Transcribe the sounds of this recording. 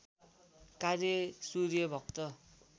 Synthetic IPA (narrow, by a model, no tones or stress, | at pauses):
karjʌsuɾjʌbʱʌk̚t̪ʌ